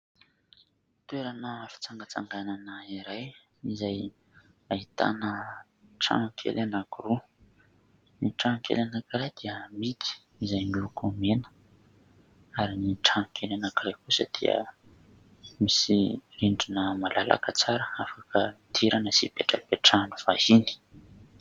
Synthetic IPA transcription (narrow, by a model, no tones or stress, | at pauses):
t̪weɾanəfi̥t͡saŋɡət͡sa̰ŋɡananəiɾaj | izaj | ait̪a̰nə | ʈ͡ʂa̰ŋkʰḛlanakuru | niʈ͡ʂaŋkʰḛlanakiɾajd̪̥iəmit̪i̥ | izajnilukʰumenə̥ | aɾiniʈ͡ʂankʰelanakiɾajkusə̰d̪̥ḭə̰ | misiriɳɖ͡ʐinəmalalʔa̰kət͡saɾəafakʰət̪ʰiɾanəsipeʈ͡ʂəpeʈ͡ʂanuvahini̥